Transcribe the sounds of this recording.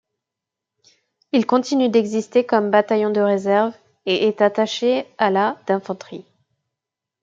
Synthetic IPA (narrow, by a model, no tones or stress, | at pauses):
ilkɔ̃t̪inyd̪ɛɡzist̪ekɔmbat̪ajɔ̃d̪əʁezɛʁv | eʔɛt̪at̪aʃealad̪̥ɛ̃fɑ̃t̪χi